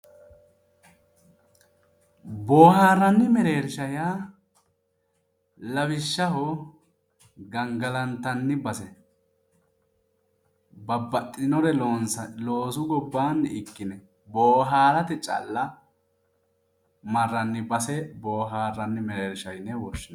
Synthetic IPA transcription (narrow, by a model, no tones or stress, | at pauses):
boːhaːɾːɐnːɪmɛɾeːɾʃɐja | lɐbɪʃːɐɦɔ | ɡɐŋɡɐlɐnt̪ːɐnːɪbɐsɛ | bɐbːɐt̪ʼːɪnɔɾɛloːsʊɡɔbːaːnɪkːɪnɛ | boːɦaːɾɐt̪ɪt͡ʃʼɐ̰lːɐ | mɐrːɐnːɪbɐsɛboːɦaːrɐnːɪmɛɾeːɾʃɐjnːɛwɔʃːɪn